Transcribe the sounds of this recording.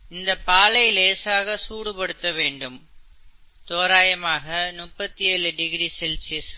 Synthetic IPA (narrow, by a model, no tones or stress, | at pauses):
ɪnd̪ɐpaːlɐɪleːsaːɣɐsuːɽɯpɐɽɯt̪ːɐʋeːɳɖɯm | t̪oːɾaːjɐmaːɣɐnʊpːɐt̪ːiɛɭɯɖɪɣɪɾisɛlsɪs